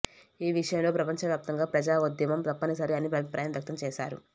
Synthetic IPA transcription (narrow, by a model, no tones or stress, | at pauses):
iːʋiʂɐjɐmlo̞ːpɾɐpɐɲt͡ʃɐʋjaːp̚t̪ɐŋɡaːpɾɐd͡ʒaːud̪jɐmɐmt̪ɐpːɐnisɐɾeɐnːipɐʋipɾaːjɐmʋɐk̚t̪ɐmt͡ʃɛːʃaːɾṵ